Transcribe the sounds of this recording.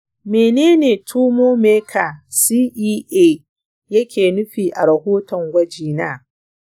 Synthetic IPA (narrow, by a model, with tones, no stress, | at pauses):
meː˨neː˦neː˨tʰuː˦moː˦meː˦kʰa˨siː˦ʔiː˦ʔeː˦˨ | jɐ˦kʲeː˨nʊ˦ɸiː˨ʔa˨ɽɐ˨hoː˦tɔ˨ŋɡʷɐ˦d͡ʒiː˨na̰ː˦